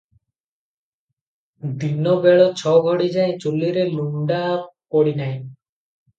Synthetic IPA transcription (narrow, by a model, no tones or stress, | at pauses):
d̪inːɔbɛɭɔt͡ɕʰɔɡʱɔɽid͡ʒajt͡ɕulːiɾeluɳɖakɔɽinajn